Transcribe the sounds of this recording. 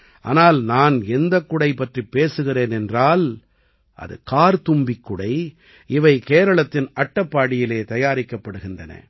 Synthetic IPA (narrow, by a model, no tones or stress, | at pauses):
ʔa̰ːnaːlnaːnɛnd̪ɐkːʊɽɐɪpːɐʈripːeːsɯɣɪɾeːnɛndraːl | ʔɐ̰ðɯ̰kaːɾt̪ʊmbɪkːʊɽɐɪ | ɪʋɐɪkeːɾɐɭɐt̪ːɪnʔɐʈːɐpːaːɽɪjɪleːt̪ɐjaːɾɪkːɐpːɐɽɯɣɪndrɐnɐ̰